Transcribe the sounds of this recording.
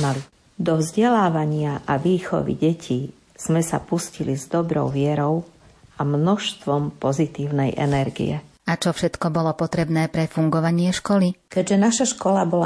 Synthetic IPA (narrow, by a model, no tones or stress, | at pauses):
mali | d̪ɔvzɟɛlaːʋaɲɪaʔaʋiːxɔ̰ʋḭɟɛcʰiː | z̥mɛsa̰puscilizd̪ɔbɾɔ̰ʊʋɪɛɾɔʊ | ʔamnɔʃst̪ʋɔmpɔzit̪iːʊnɛjʔɛ̰nɛɾɡḭjɛ̰ | at͡ʃɔfʃɛt̪kɔbɔlɔpɔt̪ɾɛbnɛːpɾɛfuŋɡɔʋaɲɪɛʃkɔlikɛɟʒɛnaʃaʃkɔlabɔla